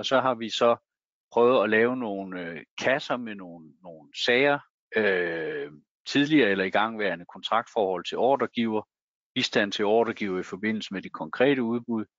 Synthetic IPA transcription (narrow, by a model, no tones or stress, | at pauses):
ɒ̽sɒ̽ɦɑ̈ʋisɒ̽ | pʰʁœʊð̞̩ˠɒ̽lɛːʊno̝ːnøkʰæsɐmeno̝ːn̩ːo̝ːn̩sɛːɪɐ | ø | t͡sʰið̞ˠliɐːelɐiɡ̥ɑ̈ŋ̰ʋæɐnəkʰɒ̽nt͡sʰʁɑ̈ɡ̥̚d̥fɒːhɒ̽l̰t͡sʰe̝lɒ̰ːd̥ɐɡ̥iʊ̰ɐ | b̥isd̥æn̰t͡sʰe̝lɒːd̥ɐɡ̥iʊ̰ɐifɒ̽b̥e̝n̰l̩səmed̥ekʰɒ̽ŋkʰʁɛ̰ːɾ̥əuð̞ˠb̥uð̞ˠ